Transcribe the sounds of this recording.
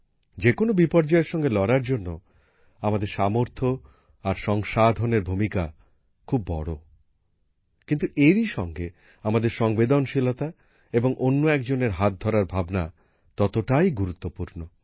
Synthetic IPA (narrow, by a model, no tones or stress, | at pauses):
d͡ʑekonobipɔɾd͡ʑɔeɾʃɔŋɡelɔɾaɾd͡ʑonːo | amad̪eɾʃamoɾt̪ʰo | aɾʃɔŋʃad̪ʱoneɾbʱumika̰ | kʰubːɔ̰ɽo̰ | kint̪uʔeɾiʃɔŋɡe | amad̪eɾʃɔŋbed̪onʃilot̪a | eboŋʔonːoɛk̚d͡ʑoneɾɦat̪̚d̪ʱɔɾaɾbʱabna̰ | t̪ɔt̪oʈajɡuɾut̪ːopuɾno